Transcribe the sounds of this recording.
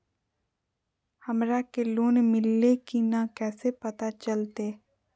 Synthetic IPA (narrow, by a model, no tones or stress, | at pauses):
həmɾakeloːnmɪlːekinakɛːsepət̪at͡ʃəlt̪eː